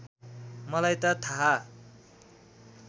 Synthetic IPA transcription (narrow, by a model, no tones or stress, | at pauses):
mʌlajt̪ʌt̪ʰaɦa